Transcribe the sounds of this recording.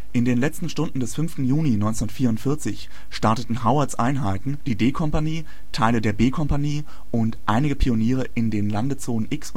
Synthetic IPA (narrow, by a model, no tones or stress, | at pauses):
ʔɪndeːnlɛt͡stn̩ʃtʊndn̩dɛsfʏnftn̩juːninɔ̃ʏnt͡sndɐtfiːɐʊntfɪɐt͡sɪç | ʃtaɐtətn̩ɦaʊasʔa̰ɪnɦaɪtn̩d̥iːdeːkʰɔmpaniː | tʰaɪlədeːɐbeːkʰɔmpaniː | ʔʊntʔaɪnɪɡəpʰioniːʁəʔɪndeːnlandət͡soːnənʔɪks